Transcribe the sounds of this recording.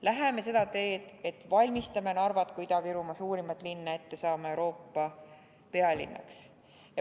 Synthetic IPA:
læɦe̞me̞se̞d̪̥ɑt̪e̞ːd̪̥e̞t̪ːˑvɑlʲmist̪ɑme̞nɑrvɑt̪kujd̪ɑviɾumɑsuːɾimɑt̪ːˑlinːɑe̞t̪ːe̞sɑːmɑewɾo̞ːpːɑ | pe̞ɑlʲḭnːɑ̰ks | jɑ

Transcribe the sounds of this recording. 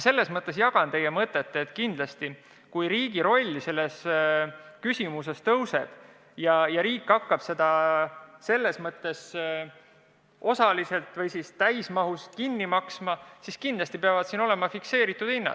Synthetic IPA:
se̞lːe̞smɤt̪ːˑe̞s̬jɑɡ̥ɑnt̪e̞jemɤt̪ːˑet̪ːeeːt̪ːˑkind̪̥lɑst̪i | kujɾiːɡ̥iɾo̞lʲːise̞lːe̞s | kysʲimuse̞st̪ɤwse̞d̪̥ | jɑjɑɾiːkːˑɑkːɑb̥se̞d̪̥ɑ | se̞lːe̞smɤt̪ːˑe̞s | o̞sɑlise̞lt̪ˑvɤjsist̪æjsmɑɦust̪kinːimɑksmɑsiskind̪lɑst̪ipeɑvɑd̪̥sino̞le̞mɑfikse̞ːɾit̪ːˑud̥̪inːɑ̰

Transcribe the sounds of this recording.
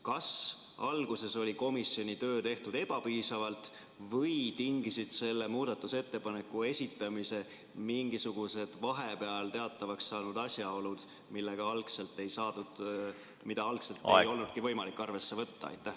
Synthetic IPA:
kɑs | ɑlɡ̥use̞so̞lʲiko̞misʲːjo̞nʲit̪ø̞ːt̪e̞ht̪ud̪̥e̞b̥ɑpiːsɑvɑlt̪ˑ | vɤjt̪iŋɡisid̪̥se̞lːe̞muːd̪̥ɑt̪ːˑuse̞t̪ːe̞pɑne̞kːˑue̞sʲit̪ːˑɑmise̞ | miŋɡisuɡ̥use̞d̪̥vɑɦe̞pe̞ɑlt̪e̞ɑt̪ːˑɑvɑkssɑːnud̪̥ɑsʲjɑo̞lud̪̥ | milːe̞ɡ̥ɑɑlkse̞lt̪ːˑe̞jsɑːd̪ud̪̥ | mid̪̥ɑɑlkse̞lt̪ːejo̞lnud̪̚kivɤ̞jmɑlikːˑɑrve̞sːevɤt̪ːɑ̰ɑ̰jt̪ːˑæh

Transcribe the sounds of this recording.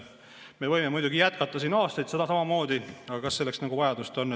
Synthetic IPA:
me̞vɤjmemujd̪uɡijæt̪̚kɑt̪ːˑɑsiːnɑːst̪ɑjt̪se̞d̪ɑsɑmɑmo̞ːd̪iɑɡ̥ɑkɑsːe̞lːe̞ksnɑɡ̥uvɑjɑd̪̥ust̪o̞n

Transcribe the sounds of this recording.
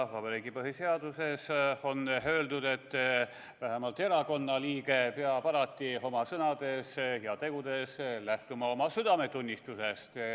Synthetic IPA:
ɑhvɑbeɾiːɡipɤɦise̞ɑd̪̥use̞so̞nɦø̞ːld̪ud̪̥e̞t̪ː | væɦemɑlt̪ːˑe̞ɾɑko̞nːɑliːɡepeɑpɑɾɑt̪ʲːio̞mɑsɤnɑd̪̥e̞shiɑt̪e̞ɡ̥ud̪e̞slæht̪umɑo̞mɑsyd̪̥ɑme̞t̪unʲːist̪use̞st̪

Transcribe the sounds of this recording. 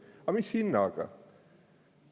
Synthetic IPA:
ɐmisinːaka̰

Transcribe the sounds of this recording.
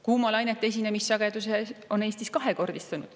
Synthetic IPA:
kuːmɑlɑjnet̪ːˑees̬ʲine̞misːɑɡ̥ed̪̥us̬eo̞ne̞ːsʲt̪iskɑɦeko̞rd̪̥ist̪ɑnud̪̥

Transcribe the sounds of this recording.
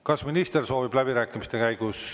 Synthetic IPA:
kɑsminist̪e̞rso̞ːvib̥læb̥iɾæːkːˑimist̪e̞kæjɡ̥us

